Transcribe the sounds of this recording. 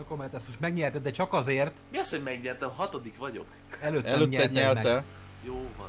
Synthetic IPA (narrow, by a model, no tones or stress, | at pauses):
komɛnt̪ɛst̪oʃmɛɡɲɛrt̪ɛd̪ɛt͡ʃɒkɒzeːrt̪miɒshoɟmɛɡɲɛrt̪ɛmɦɒt̪od̪ikʋɒɟo̞̰k | ɛløːtɛløɲɛɛdɲɛlɛɛ | joːvɒ̰n